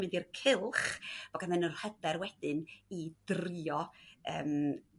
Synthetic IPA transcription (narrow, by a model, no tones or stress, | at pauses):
mɪndirkʰɪlˠχv̥ɔɡanmɛnərhədɛrwɛd̥ɨnid̥rɪɔə̰ːm